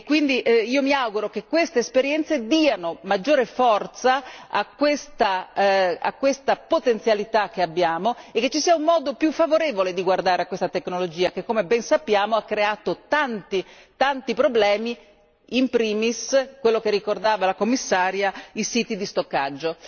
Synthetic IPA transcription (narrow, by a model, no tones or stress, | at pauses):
kwind̪iʔiːomiawɡuɾokekːwest̪eːspeɾjɛnt̪sed̪iːanomad͡ʒːoːɾefɔrt̪saakːwest̪a | a̰kːwest̪apot̪ensjalit̪ak̟ːeabːjaːmoekːet͡ʃːisiːaumːɔːd̪opjufːavoɾeːvoled̪iɡward̪aːɾeakːwest̪at̪eknolod͡ʒiːakekːomebɛnsapːjaːmoakːɾeaːt̪ot̪ant̪i | t̪ant̪ipɾoblɛːmi | impɾiːmiskwelːokerːikord̪aːvalakomːisːaːɾjaisiːt̪id̪ist̪okːa̰d͡ʒːo